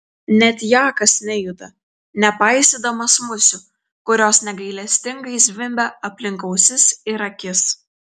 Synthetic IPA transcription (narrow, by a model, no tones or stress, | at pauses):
nʲɛt̪ʲjɑːkɐsnʲɛjʊd̪ɐ | nʲɛpɑˑɪsʲed̪ɐmɐsmʊsʲʊ | kʊɾʲoːsnʲɛɡɐɪlʲɛsʲt̪ʲɪŋɡɐɪzʲʋʲɪmʲbʲɛɐpʲlʲɪŋkɐʊsʲɪsɪɾɐkʲɪs